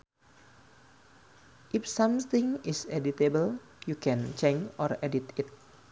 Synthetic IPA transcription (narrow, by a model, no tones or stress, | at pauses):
ʔifsãmt̪ɪ̃ŋisɛdit̪ebəl | jukɛ̃nt͡ʃɛnd͡ʒʔɔrɛdit̪it̪̚